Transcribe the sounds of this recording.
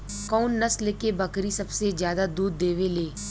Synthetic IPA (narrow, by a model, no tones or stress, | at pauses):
kɔːnːɐslekebɐkɾisɐbsezjaːd̪ad̪uːd̪ːeːʋeleː